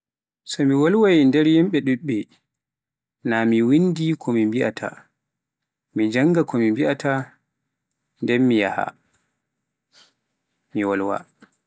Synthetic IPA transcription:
sɔmiwɔlwandɛɾjimɓɛɗuɗɛ | namiwindikʰɔmimbiʔa̰tʰa̰ | mid͡ʒaŋɡakɔmimbiʔatʰa | ndɛnmijaha̰ | miwɔlwa̰

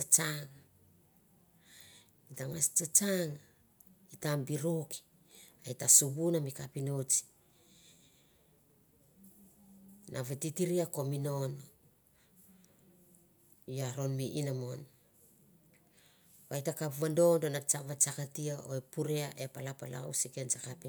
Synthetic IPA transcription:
at͡ʃaŋa | itaŋast͡ʃat͡ʃaŋa | itambiɾoki̥ | aitasuβunamikapino̞t͡ʃi̥ | nʔaβetitiɾiako̞mino̞no | jaɾo̞nmiʔinamo̞n | ajtakapβando̞ndonat͡ʃaβat͡ʃakatiao̞̰epuɾeaʔe̞palapala̰wsikent͡ʃakapi

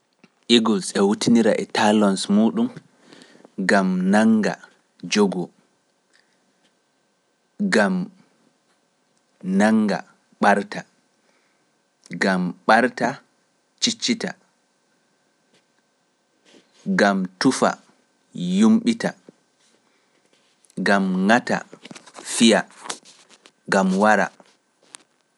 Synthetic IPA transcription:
ʔiɡɔsɛwutiniɾaʔɛtalɔnsmuːɗum | ɡamnaŋɡa̰ | d͡ʒoɡɔ | ɡam | naŋɡa̰ | ɓaɾta | ɡamɓaɾta | t͡ʃit͡ʃːita | ɡamtufa̰ | jumɓita | ɡamŋata̰fija | ɡamwaɾa̰

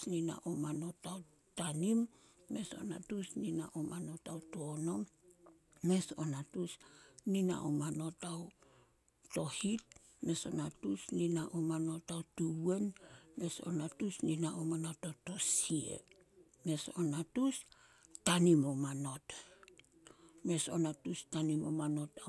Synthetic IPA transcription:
nina̰ʔomano̞taw | tanimːe̞so̞̰natusnina̰ʔomano̞tawtoono̞mː | e̞so̰natusnina̰ʔomano̞taw | to̞hit̚ | me̞so̞natusninaʔomano̞tawtue̞nme̞so̞̰natusninaʔomano̞toto̞siḛ | me̞sonatus | tanimomano̞t | me̞sonatustanimo̰mano̞ta

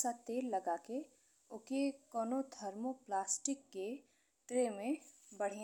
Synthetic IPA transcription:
sat̪eːlːɐɡaːke | ʊkekɔːnod̪ʱɐɾmoplaːsʈɪkːe | ʈɾemẽbɐɽ̤e

